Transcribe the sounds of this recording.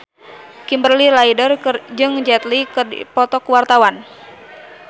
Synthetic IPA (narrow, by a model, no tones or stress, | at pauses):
kimbərlilaidərd͡ʒɨŋd͡ʒɛt̪likɨrdḭpɔt̪ɔkwart̪awan